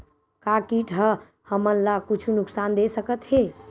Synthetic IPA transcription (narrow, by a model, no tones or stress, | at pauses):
kakiʈʰə | həmənlakut͡ʃʰunuksand̪esəkət̪ɦe